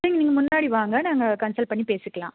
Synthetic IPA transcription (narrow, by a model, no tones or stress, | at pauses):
eːŋɡɐniːŋɡɐmʊnːaːɽiʋaːŋɡɐnaːŋɡɐkɐnsɐl̚pɐɳːipeːsɯkːɐɭã̰ː